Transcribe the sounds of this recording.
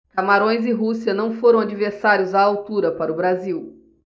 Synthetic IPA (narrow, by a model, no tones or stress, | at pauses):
kamaɾõj̃zɪɦusiɐnɐ̃w̃foɾɐ̃w̃ad͡ʒiveɾsaɾjʊzaːwt̪uɾɐpaɾʊbɾaziw